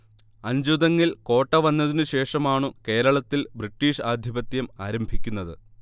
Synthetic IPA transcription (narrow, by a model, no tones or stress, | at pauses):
ɐɲd͡ʑuðɐŋːilko̞ːʈːɐʋɐnːɐðinɨɕe̞ːʂɐmaːɳɨke̞ːɾɐɭɐt̪ːilbriʈːiːʂaːd̪ʱjibɐt̪jɐmaːɾɐmbʱikʲːunːɐðɨ